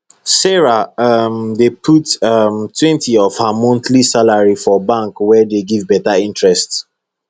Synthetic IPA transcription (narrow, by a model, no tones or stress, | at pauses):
sɛɹaamdepʰutamtʰwɛ̃ntʰiɔv̥hamɔ̃ntlisalaɹifɔbãŋkwɛdeɡivbɛtaĩntɹɛst